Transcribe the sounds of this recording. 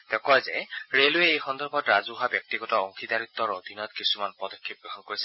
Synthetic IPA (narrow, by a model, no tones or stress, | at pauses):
d̪̥ɛkɔazɛɹeloɛejxɔnd̪ɔɹbʱɔtɹazuɦabjɔk̚tiɡɔtɔɔŋxid̪aɹit̪ːɔɹod̪ʱinɔɔt̪kisumanpɔd̪ɔkʰːip̚ɡɹɔɦɔnkoɹisɛ